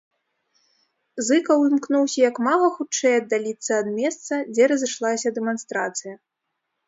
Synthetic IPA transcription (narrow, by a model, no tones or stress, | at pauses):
zɨkɐwimknuwsʲɐjɐkmalˠɐxut͡ʂɛjɐd̪ːalʲit̪sːɐːd̪̚mʲɛst̪sɐd͡zʲɛɾɐzɨʂlˠasʲɐd̪ɛmanst̪ɾat̪sɨjɐ